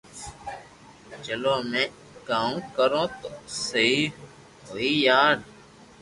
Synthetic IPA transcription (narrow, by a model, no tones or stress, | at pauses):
d͡ʒəlõːmẽː | kaːõːkəɾõːt̪oːsəiː | ɦoːiːjaːɽ